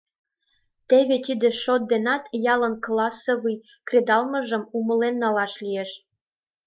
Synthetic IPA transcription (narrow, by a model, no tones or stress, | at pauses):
t̪eβet̪id̪ĕʃot̪̚d̪enɑt̪jɑlənklɑsoβɯj | kred̪ɑlmə̆ʒə̆mumə̆lenːɑlɑʃlijeʃ